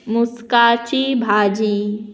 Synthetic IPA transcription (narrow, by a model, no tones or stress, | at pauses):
muskaːt͡ʃʰibʱaːd͡ʒi